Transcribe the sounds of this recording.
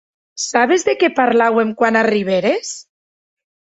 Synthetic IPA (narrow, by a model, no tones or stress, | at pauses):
saβ̞ezðekepaɾlawemkwanariβ̞eɾes